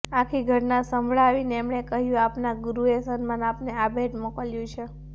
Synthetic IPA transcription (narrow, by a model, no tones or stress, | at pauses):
akʰiɡʱəʈnasəmbʱɭaːʋinɛmɽekəɦjũapnaɡuɾuesənmanapneabʱeʈmɔkəljũt͡ʃʰe